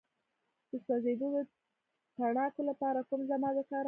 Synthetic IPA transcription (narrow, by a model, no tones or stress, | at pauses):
d̪̥əsɑzed̪od̪ə | t̪aɳɑkolapɑɾakumzamɑd̪əkɑɾ